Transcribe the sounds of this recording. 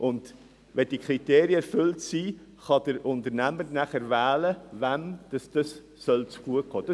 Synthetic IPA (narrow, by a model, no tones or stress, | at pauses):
ʔʊnd̥ | ʋɛd̥iəkʰɾiteːɾjəɛɾfʏltsiː | χɑd̥əɾʊntəɾnæməɾnæχəɾvæːləvæmd̥ɑsd̥ɑsː | œlt͡sɡ̥uət̚ɡ̥ɔːd̥ɑ